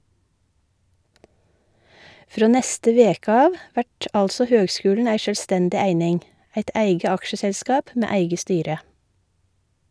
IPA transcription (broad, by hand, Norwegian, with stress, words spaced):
ˈfɾoː ˈnɛstə ˈʋeːk ˈɑːʋ ˈʋæʈ ˈɑlsɔ ˈhøːɡˌskʉːlɳ̩ ˈæɪ ˈʃøːlˌstɛndɪ ˈæɪnɪŋ ˈæɪt ˈæɪɡə ˈɑkʃəsɛlˌskɑːp ˈmeː ˈæɪɡə ˈstyːɾə